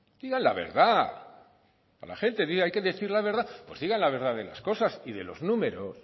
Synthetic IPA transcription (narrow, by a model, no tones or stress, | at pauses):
d̪̥iɣanlaβe̞̰ɾða | a̰la̰χe̞nt̪e̞ðiɣajke̞ðe̞θiɾlaβe̞ɾðapwe̞̰zðiɣanlaβe̞ɾðaðe̞la̰sko̞sasiðe̞lo̞znũme̞ɾo̞s